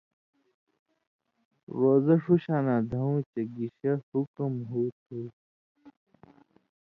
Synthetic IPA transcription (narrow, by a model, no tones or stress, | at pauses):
ɾoːzɐʂuɕaːnaːd̪ʱɐũt͡ɕeɡiɕɐhukɐmɦuːt̪̚ɦu